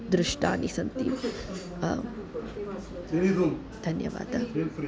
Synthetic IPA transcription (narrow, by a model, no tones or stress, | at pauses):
d̪ɾɪʂʈaːnisɐnt̪ḭ | t̪iɾid̪u | d̪ʱɐnjɐ̰ʋa̰ːd̪ʱɐ